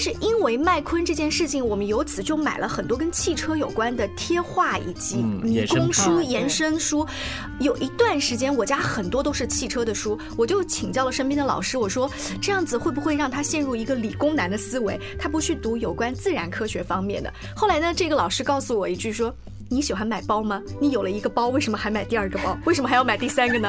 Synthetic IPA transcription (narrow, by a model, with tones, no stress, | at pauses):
ʂɻ̩˥˩ʔi˥nwe˧˥ɪma˥˩ɪkʰwə˥nʈ͡ʂɤ˥˧t͡ɕjɛ˥˧nʂɻ̩˥˩t͡ɕʰi˨˩ŋwɔ˨˩mə˦njo˧˥ʊt͡sʰɹ̩˨˩t͡ɕjo˥˩ʊma˨˩ɪlʔə̰˦xə˨˩nt̪wɔ˥kə˥nt͡ɕʰi˥˩ʈ͡ʂʰɤ˥jo˨˩ʊkwa˥nd̪ə˨t̪ʰjɛ˥xwa˥˩ḭ˨˩t͡ɕi˧˥mi˧˥˧kʊ˥ŋʂu˥jɛ˧˥nʂə˥nʂu˥ | jo˨˩ʊʔi˧˥t̪wa˥˩nʂɻ̩˧˥t͡ɕjɛ˥nwɔ˨˩t͡ɕja˥xə˨˩nt̪wɔ˥t̪̬o˥ʊʂɻ̩˥˧t͡ɕʰi˥˩ʈ͡ʂʰɤ˥d̪ə˨ʂu˥ | wɔ˨˩t͡ɕjo˥˩ʊt͡ɕʰi˨˩ŋt͡ɕjɑ˥˩ʊlə˩ʂə˥npjɛ˥nd̪ə˨lɑ̰˨˩ʊʂɻ̩˥wɔ˨˩ʂwɔ˥ʈ͡ʂɤ˥˧jɑ˥˩ŋd͡zɹ̩˩xwe˥˩ɪbu˨˩xwe˥˧ɪɻɑ˥˩ŋt̪ʰa˥ɕjɛ˥˧nɻu˥˩i˧˥ɡə˧li˨˩kʊ˥ŋna˧˥nd̪ə˧sɹ̩˥we˧˥ɪt̪ʰa˥pu˧˥t͡ɕʰy˥˩t̪u˧˥jo˨˩ʊkwa˥nt͡sɹ̩˥˩ɻa˧˥nkʰɤ˥ɕɥɛ˧˥fɑ˥ŋmjɛ̰˥˩nd̪ə̰˩ | xo˥˩la˧˥ɪnə˧ʈ͡ʂɤ˥˩ɡə˩lɑ˨˩ʊʂɻ̩˥kɑ˥˩ʊsu˨˩wɔ˨˩i˧˥˩t͡ɕy˥˩ʂwɔ˥ | ni˧˥ɕi˨˩xwa˧˥nma˨˩ɪpɑ˥ʊmɐ˨˩ni˧˥jo˨˩ʊlə˦i˧˥ɡə˧pɑ˥ʊwe˥˩ʂə˧˥nmə˧xa˧˥ɪma˨˩ɪt̪i˥˧ɐ˞˥˩ɡə˩pɑ˥ʊwe˥˩ʂə˧˥m˥˧˥jɑ˥˧ma˨˩ɪt̪i˥˩sa˥nɡə˨nə˩